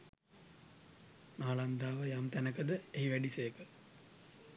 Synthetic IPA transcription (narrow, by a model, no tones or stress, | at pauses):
naːland̪aːʋəjamt̪ænəkəd̪əeɦiʋæɖisejəkə